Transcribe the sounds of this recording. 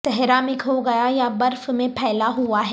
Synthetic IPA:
t̪ɛɦɾaːmɪkɦoɡɐjajabɐɾfmẽpʰɛːlaɦuaɦɛ

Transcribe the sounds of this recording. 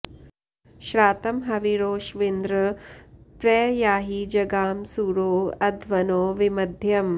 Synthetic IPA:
ʃɾaːt̪ɐmɦɐʋiɾoːʃʋind̪ɾɐpɾɛːjaːɦiːd͡ʒɐɡaːmsuːɾoːɐd̪ʱʋɐnoːʋimɐd̪ʱjɐm

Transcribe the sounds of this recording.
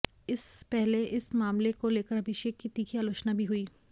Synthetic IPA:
ɪspɛɦleʔɪsmaːmlekoleːkəɾɐbʱɪʃeːkːit̪iːkʰiaːloːt͡ʃnabʱiɦuiː

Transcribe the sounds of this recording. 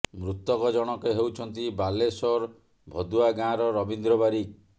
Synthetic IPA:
mɾut̪ɔkɔd͡ʒɔɽ̃ɔkeɦewt͡ʃʰɔnt̪ibalesɔɾ | bʱɔd̪uaɡãɾɔɾɔbind̪ɾɔbaɾik̚

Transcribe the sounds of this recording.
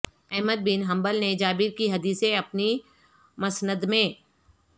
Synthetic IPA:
ɛɦməd̪̚bɪnɦɐ̃mbəlned͡ʒaːbiɾkiɦɐd̪iːsẽɐpni | mɐsnəd̪mẽ

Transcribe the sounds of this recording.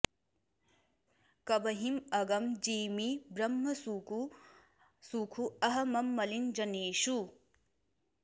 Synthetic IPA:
kɐbɐɦimɐɡɐmd͡ʒiːmibɾɐmːɐsuku | suːkʰuɐɦɐmɐmːɐlind͡ʒɐneːʃu

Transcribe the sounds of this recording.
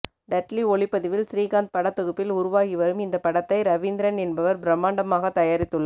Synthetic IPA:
ɖɐʈliɔɭɪpːɐðɪʋɪlsɾiːɣaːnd̪̚pɐɽɐt̪ːɔɣɯpːɪlʊɾʊʋaːɣɪʋɐɾɯmɪnd̪ɐpːɐɽɐt̪ːɐɪɾɐʋɪnd̪ɪɾɐnɛnbɐʋɐɾbɾɐmːaːɳɖɐmaːɣɐt̪ːɐjaːɾɪt̪ːɯɭːɐ

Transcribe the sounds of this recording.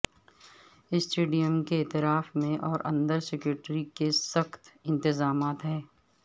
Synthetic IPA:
ɪsʈeːɖijəmkeeːt̪ɪɾaːfmẽʔɔːɾɐ̰̃nd̪əɾsɛkɾuːʈɾikesɐxt̪ɪ̃nt̪ɪzaːmaːt̪ɦɛː

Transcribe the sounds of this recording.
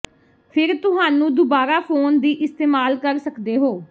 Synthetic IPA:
pʰɪɾt̪ʊɦaːnũːd̪ʊbaːɾaːpʰoːnd̪iːʔɪst̪eːmaːlkəɾsəkd̪eːɦoː

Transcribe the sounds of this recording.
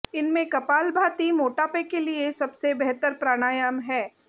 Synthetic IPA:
ɪnmẽkɐpaːlbʱaːt̪imoːʈaːpekeliesɐbsebɛɦt̪əɾpɾaːɽ̃aːjəmɦɛː

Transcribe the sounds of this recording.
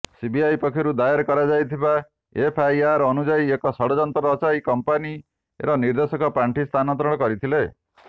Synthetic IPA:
sibiajpɔkʰiɾud̪ajaɾkɔɾad͡ʒajt̪ʰiba | epʰajaɾɔnud͡ʒaiekɔsɔɽɔd͡ʒɔnt̪ɔɾɔt͡ʃajkɔmpani | ḛɾɔniɾd̪esɔkɔpaɳʈʰist̪ʰanɔnt̪ɾɔɽ̃ɔkɔɾit̪ʰile

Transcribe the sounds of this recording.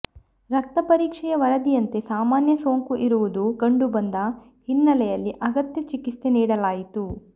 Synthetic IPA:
ɾɐk̚t̪ɐpɐɾiːkʂɛjɐʋɐɾɐd̪ijɐnt̪e̞saːmaːnjɐso̞ːŋkuʔiɾuʋud̪uɡɐɳɖubɐnd̪ɐ | hinːɐlɛjɐlːiʔɐɡɐt̪jɐt͡ʃikist̪eniːɽɐlaːjit̪u

